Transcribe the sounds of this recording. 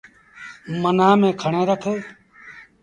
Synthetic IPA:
mənaːmẽːkʰəɳẽːɾəkʰəː

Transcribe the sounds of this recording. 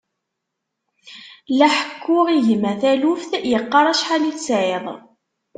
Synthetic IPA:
læħə̥kʰːʊʁiʝmæθælufθjəqːɑɾˤæʃħaliθt͡sːʕeðˤ

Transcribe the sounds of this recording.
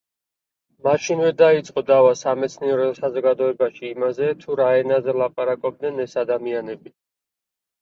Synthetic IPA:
maʃinvɛd̪ait̪sʼqʼɔd̪avasamɛt̪sʰniɛɾɔsazɔɡad̪ɔɛbaʃiːmazɛt̪ʰuɾaɛnazɛlˠapʼaɾakʼɔb̚d̪nɛnɛsad̪amianɛbi

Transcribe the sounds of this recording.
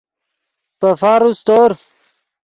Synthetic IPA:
pəfaɾust̪oɾ

